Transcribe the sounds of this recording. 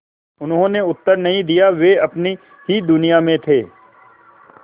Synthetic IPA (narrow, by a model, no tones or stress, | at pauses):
ʊnɦõːneʊt̪ːəɾnɐɦĩd̪ijaʋeɐpni | ɦid̪ʊnɪjamẽt̪ʰeː